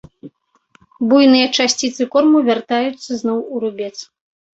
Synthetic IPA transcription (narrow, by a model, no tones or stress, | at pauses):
bujnɨjɐt͡ʂasʲt͡sʲit̪sɨkɔrmuvʲart̪ajut̪sːɐznɔwuɾubʲɛt̪s